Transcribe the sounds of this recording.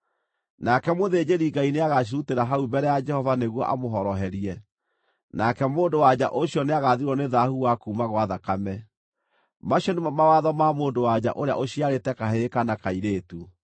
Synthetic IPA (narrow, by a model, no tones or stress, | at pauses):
nakɛmoðed͡ʑeɾiɡaineaɣaɕ̬iɾuteɾaɦaubɛɾɛjad͡ʒɛhɔvaneɣwɔʔa̰moɦɔɾɔɦɛɾiɛ | nakɛmoːndowad͡ʑa̰ʔoɕjɔneaɣaðiɾɔneðahuwakuːmaɣwaðakamɛ | maɕjɔnemamawaðɔmamoːndowad͡ʑa̰ʔoɾea̰ʔoɕiaɾetɛkaɦekanakaiɾeːtu